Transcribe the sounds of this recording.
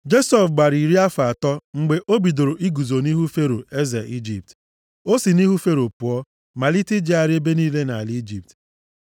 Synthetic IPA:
d͡ʒe˦sɔ˨fɡ͡ba˨ɾi˨ɾi˦a˦fa˨a˨tɔ˦ŋ͡m̩˨ɡ͡be˨ʔo˦bi˨do˨ɾo˨ʔi˦ɡu˨zo˨ni˦ɦu˦fe˦ɾo˨e˦ze˨i˦d͡ʒi˨p̚t | o˦si˨ni˦ɦu˦fe˦ɾo˨pʊ˨ɔ˦ | ma˨li˦tɪ˦d͡ʒi˦a˨ɾɪ˦e˦be˦niː˦le˦na˨a˨li˦d͡ʒi˨p̚t

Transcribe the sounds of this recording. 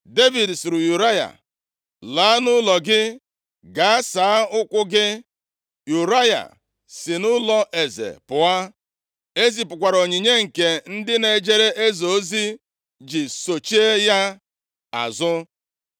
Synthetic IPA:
de˦vi˨dsʊ˨ɾʊ˨ju˨ɾa˦ja̰˨ | laː˨˦nʊ˦lɔ˨ɡɪ˦ | ɡa˨a˦saː˨˦ʊ˦kʷʊ˦ɡɪ˦ | ju˨ɾa˦ja̰˨ | sɪ˨nʊ˦lɔ˦ʔe˨zḛ˨pʊ˨a˦ | e˦zi˨pʊ˨kʷa˨ɾo˨ɲi˨ɲe˦ŋ̩˨ke˨n̩˦dɪ˦ne˨d͡ʒe˦ɾe˦ʔe˦zo˨˦zi˦ | d͡ʒi˨so˨t͡ʃi˦e˦ja˦ | a̰˨zʊ˦

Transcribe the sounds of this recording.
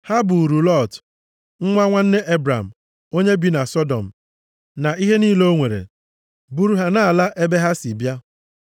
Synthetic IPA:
ha˦bu˨ɾu˨lɔ˦˨t | ŋ̩˦ŋʷa˦ŋʷa˦n̩˦ne˦ʔe˦bɾa˨m̩˨ | o˦ɲe˦bi˨na˨sɔ˦dɔ̰˨m̩˨ | na˨i˦ɦe˦niː˦lo˦ŋʷe˨ɾḛ˨ | bu˦˨ɾu˨ɦa˦na˦˨a˨la˦ʔe˦be˦ɦa˦si˨bja˦

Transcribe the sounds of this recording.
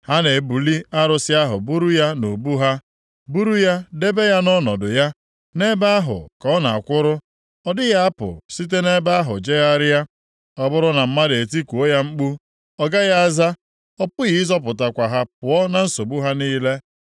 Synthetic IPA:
ha˦ne˨bu˨li˦a˦ɾʊ˨sɪ˦a˦ɦʊ̰˨bu˦ɾu˦ja˦no˨bu˦ɦa˦ | bu˦ɾu˦ja˦de˦be˦ja˦nɔ˦nɔ˨dʊ˨ja˦ | ne˦ba˦a˦ɦʊ̰˨kɔ˦na˨a˨kʷʊ˦ɾʊ˦ | ɔ˦dɪ˦ja˦a˦pʊ̰˨si˦t̬e˦ne˦ba˦a˦ɦʊ̰˨d͡ʒe˦ɣa˦ɾɪ˦ja˦ | ɔ˦bʊ˦ɾʊ˦na˨m̩˦ma˦de˨ti˦kʷu˨o˦ja˦ŋ͡m̩˦k͡pu˦ | ɔ˦ɡa˦ja˦a˦za˦ | ɔ˦pʊ˦ɣi˨˦zɔ˦pʊ˨ta˨kʷa˨ɦa˦pʊ˨ɔ˦na˨n̩˦so˨bu˦ɦa˦niː˦le˦

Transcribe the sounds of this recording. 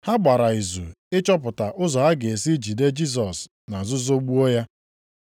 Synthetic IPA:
ha˦ɡ͡ba˨ɾa˨i˨zṵ˨ | ɪ˦t͡ʃɔ˦p̬ʊ˨ta˨ʔʊ˦zɔ˨ɦa˦ɡe˨e˨si˦d͡ʒi˨de˦d͡ʒi˦s̬ɔ˨s | na˨zʊ˦zo˦ɡ͡bu˦o˦ja˦

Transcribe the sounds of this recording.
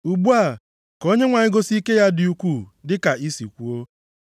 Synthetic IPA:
u˨bu˦a˨ | ko˦ɲe˦ŋʷa˨ɲɪ˦ɡo˦si˦ke˦ja˦dɪ˨u˦kʷu˦˨dɪ˦ka˨i˦sḭ˨kʷu˦o˦

